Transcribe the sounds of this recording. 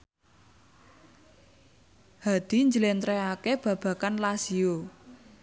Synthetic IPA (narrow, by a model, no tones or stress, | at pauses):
had̪̥i̤ɲd͡ʒəlent̪ɾɛakeb̥ä̤b̥ä̤kanlasio